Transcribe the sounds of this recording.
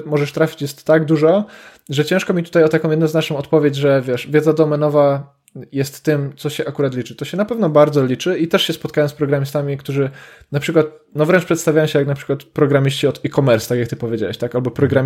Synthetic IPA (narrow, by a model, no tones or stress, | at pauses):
mɔʐɛʂt̪ɾafʲi̥t͡ɕjɛst̪ːaɡd̪uʐɔ | ʐɛt͡ɕɛ̃ʂkɔmʲit̪u̥t̪ajɔt̪akɔ̃w̃jɛd̪nznat͡ʂnɔ̃w̃ɔt̪pɔvʲjed͡ʑʐɛvʲjɛʂvʲjɛd̪zad̪ɔmɛnɔva | jɛst̪ːɘmt̪sɔɕɛʔakuɾat̪lʲit͡ʂɘt̪ɔɕɛnapɛvnɔbaɾd̪zɔlʲit͡ʂɘit̪ɛʂɕɛspɔt̪̚kajɔ̃spɾɔɡɾamʲist̪amʲikt̪uʐɘ | napʂɘkwat̪̚ | nɔvɾɛnt͡ʂpʂɛt̪st̪avʲajɔ̃w̃ɕɛjaknapʂɘ̥kwat̪pɾɔɡɾamʲiɕt͡ɕiɔd̪ikɔmɛɾsut̪akʲjak̚t̪ɘpɔvʲjed͡ʑa̰wɛɕt̪akalbɔpɾɔɡɾamʲ